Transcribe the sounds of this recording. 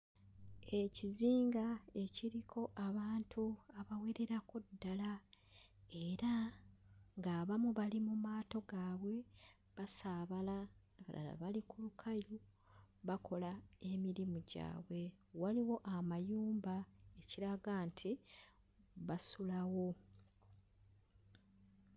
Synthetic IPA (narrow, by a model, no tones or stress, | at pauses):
e̞ciziːŋɡae̞ciɾikʰo̞ʔaβaːntʰuaβawe̞ɾe̞ɾakudːala | e̞ɾa | ŋɡaːβamuβalimumaːto̞ɡaːβwe̞ | βasaːβala | βa̰a̰βalikulukʰajɾu | βakʰo̞lae̞miɾimuɟa̰ːβwe̞ | waliwo̞ʔamajuːmbae̞ciɾaɡantʰi | βasulawo̞